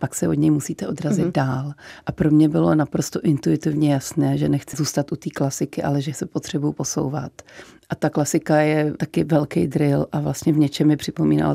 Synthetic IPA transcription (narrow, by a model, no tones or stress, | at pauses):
paksɛʔod̪ɲɛjmusiːt̪ɛʔo̞d̪ɾazɪd̪daːlʔapɾomɲɛbɪlo̞napɾost̪o̞ʔɪnt̪ujɪt̪ɪvɲɛjasnɛːʒɛnɛxt͡sɪzuːst̪at̪ʔut̪iːklasɪkɪʔa̰lɛʒɛsɛpot̪r̝̥ɛbujupo̞so̞̰wva̰t̪ʔat̪aklasɪkajɛt̪akɪvɛlkɛjd̪ɾɪlʔavlast̪ɲɛvɲɛt͡ʃɛmjɛpr̥ɪpo̞miːna̰l̰